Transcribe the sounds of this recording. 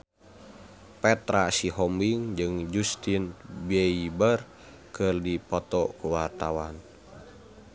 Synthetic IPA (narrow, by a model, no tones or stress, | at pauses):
pɛt̪ɾasiɦɔmbiŋd͡ʒɨŋd͡ʒust̪inbɛibər | kɨrdipɔt̪ɔkuwart̪awan